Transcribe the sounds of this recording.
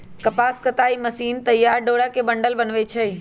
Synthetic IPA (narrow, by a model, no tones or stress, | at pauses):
kɐpaːskət̪aːiməsiːnt̪ɐjːaːɾɖoːɽakebə̃ɳɖəlbənʋet͡ʃʰe